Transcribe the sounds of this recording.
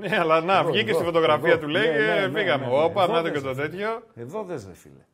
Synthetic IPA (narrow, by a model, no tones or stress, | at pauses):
neɐlɐnɐvʝicest̪ifo̞t̪o̞ɣɾɐfiɐt̪uleikefiɣɐmeopɐnɐt̪ocet̪o̞t̪̬e̞t̪ço̞eðoðezefḭle